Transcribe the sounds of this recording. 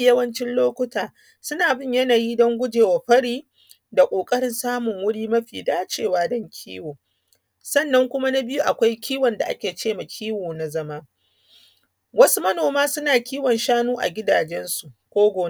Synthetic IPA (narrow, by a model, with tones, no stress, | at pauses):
jɐ˦wɐ˦nt͡ʃɪ˦nloː˦kʷʊ˦taː˨ | sʊ˦naː˨bɪ˦˨ɲjɐ˦naː˨jiː˦dɔ˦ŋɡʷʊ˦d͡ʒeː˨wa˨ɸɐ˦ɽiː˦ | da˨kʷʼoː˨kʼɐ˦ɽɪ˦nsaː˦mʊ˨ŋwʊ˦ɽiː˦mɐ˦ɸiː˨daː˦t͡ʃeː˨waː˦dɔ˦ŋkʲʰḭː˦woː˨ | sɐ˦˨nːɐ˦ŋkʷʊ˦ma˦na˦bɪ˦ju˦ʔa˨kʷa˦jkʲʰiː˦wɔ˨nda̰˨ʔa̰˦kʲeː˨t͡ʃeː˦ma˨kʲʰiː˦woː˨na˨zɐ˦ma˦ | wɐ˦su˦mɐ˦noː˨maː˦sʊ˦naː˨kʲiː˦wɔ˨nʃaː˦nuː˦ʔa̰˨ɡʲɪ˦daː˨d͡ʒɛ˦nsu˨ʔkʷoː˦ɡʷoː˨˦